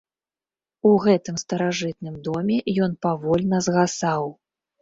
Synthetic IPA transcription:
uɣɛt̪ɨmst̪ɐɾaʐɨt̪̚nɨmd̪ɔmʲɛjɔn̪pavɔlʲnɐzɣasaw

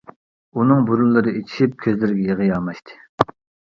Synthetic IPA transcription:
unɨŋbuɾulˠːɨɾɨet͡ʃʰi̥ʃip̚kʲʰøzlɪɾɡʲɛjeʁəjɑmɑʃt̪ʰɨ̥

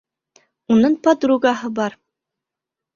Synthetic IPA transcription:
unɤɴpɑd̪ɾuɡɑɦɤbɑɾ

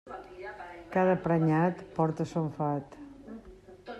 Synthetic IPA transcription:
kaðəpɾəɲat̪pɔɾt̪əsoɱfat̪

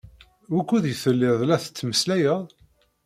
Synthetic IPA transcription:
wækʷːuðjəθəlːɪðˤlæθə̥t͡sːməslæjəðˤ

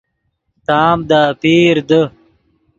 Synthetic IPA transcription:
t̪aːmd̪aːpiːɾd̪ə

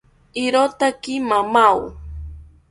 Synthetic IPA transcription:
ɪɾot̪akɪmamaw

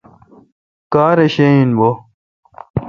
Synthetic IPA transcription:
kaːɾeɕeĩnbo

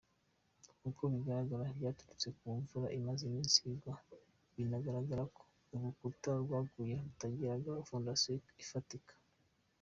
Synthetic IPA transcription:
kukʰoβiɡaɾaɡaɾaβɟaːtuɾut͡sekuːɱvuɾaʔimazimiːnsiɡwa | βinaɡaɾaɡaɾako̥ | uɡukuutaɾɡwaːɡujeutaɟiɾaɡaufondasjoifatikḁ

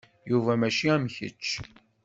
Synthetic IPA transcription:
juvæmæʃiæmçə̰t͡ʃː

